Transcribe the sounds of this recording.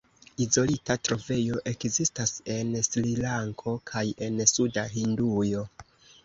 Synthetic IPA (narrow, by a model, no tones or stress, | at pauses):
izo̞litatɾo̞ve̞jo̞ʔe̞kzistase̞nslilaŋkʰo̞kʰaje̞nsudaɦindujo̞